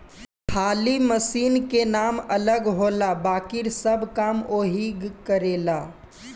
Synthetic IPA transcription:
kʰaːliməsiːnkenaːmɐləɡɦoːlabaːkɪɾsɐbkaːmoːɦiɡkəɾeːlaː

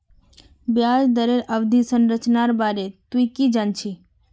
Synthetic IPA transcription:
bjad͡ʒd̪əɾeɾəʋd̪ʱisənɾət͡ʃnaɾbaɾet̪wikid͡ʒant͡ʃʰi

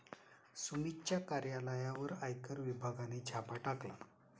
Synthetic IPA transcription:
sumit͡ɕjakaɾjaləjaʋəɾajkəɾʋibʱaɡaned͡ʑʱapaʈakla̰

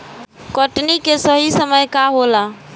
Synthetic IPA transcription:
kəʈnikesəɦisəməjkaɦola

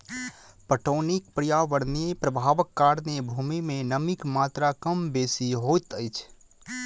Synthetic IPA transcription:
pəʈoːnik̚pɾijaːʋəɽniəpɾəbʱaːʋəkːaːɾnebʱuːmimẽnəmikmaːt̪ɾakəmbeːsiɦoːt̪əjt͡ʃʰ

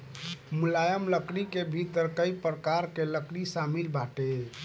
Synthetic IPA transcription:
mulajəmləkɽikebʱit̪əɾkəjpɾəkaɾkeləkɽisamilbaʈe

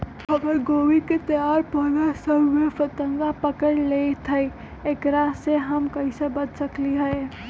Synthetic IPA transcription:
pʰəbəɾɡoːʋiket̪əjaɾpəlasəbmefʰət̪əŋɡapəkəɽlet̪ʰəj | ekɾaseɦəmkəisebəd̪ʱsəkliɦəe

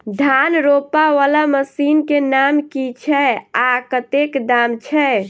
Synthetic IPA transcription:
d̪ʱanɾopaʋalaməsinkenamkit͡ʃʰɛakət̪ekd̪amt͡ʃʰɛ

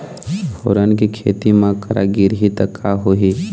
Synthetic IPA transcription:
bʱo̰ːɾənkikʰḛːt̪imãkəɾa̰ɡiɾɦit̪əkʰːaɦoɦi

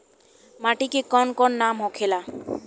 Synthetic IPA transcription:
maʈikekɔnkɔnːamɦɔkʰela

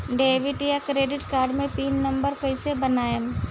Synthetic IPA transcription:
ɖeːʋɪʈjakɾeːɖɪʈkaːɾɖmẽpiːnːɐ̃mbəɾkɐɪsebɐnaːem

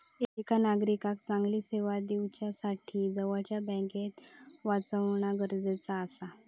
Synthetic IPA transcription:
eekanaɡɾikak̚t͡saŋɡliːseʋad̪iwt͡ɕjasaʈʰiːd͡zəʋat͡ɕjabɛ̃ket̪ʋat͡səʋɳaɡəɾd͡zet͡saːsa

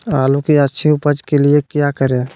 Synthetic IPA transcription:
alukiətːʃʰiupəd͡ʒkeliekjakəɾe

